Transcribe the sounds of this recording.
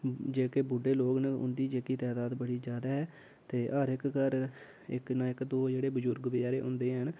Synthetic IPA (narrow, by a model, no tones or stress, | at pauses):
d͡ʒeːkeːbʊɖeːloːɡnəʊ̰nd̪iːd͡ʒeːkiːt̪ɛːd̪aːd̪bəɽiːd͡ʒjaːd̪aːɦɛː | t̪eːʔəɾɪkkəɾ | ɪ̰knãːɪkd̪oːd͡ʒeːɽeːbəzʊɾɡʋɪd͡ʒaːɾeːʔʊ̰̃nd̪eːɦən